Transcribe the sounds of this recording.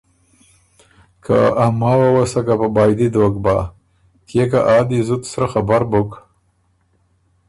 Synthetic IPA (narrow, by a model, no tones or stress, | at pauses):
kʰa̰amɑːwawasakapabɑjd̪id̪ok̚bɑ | kʰekaʔɑːd̪izut̪sɾaxabaɾbok